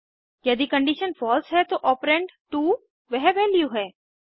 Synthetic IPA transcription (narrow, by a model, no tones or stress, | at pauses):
jɐd̪ikɐ̃ɳɖiʃənfɔːlsɦɛt̪oʔɔːpɾẽːɳʈʈuː | ʋɛɦʋɛːljuɦɛː